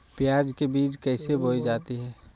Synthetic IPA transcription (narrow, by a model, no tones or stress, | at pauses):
pjaːd͡ʒkebiːt͡ʃkɛːɪsebʱoːid͡ʒaːt̪iɦɛː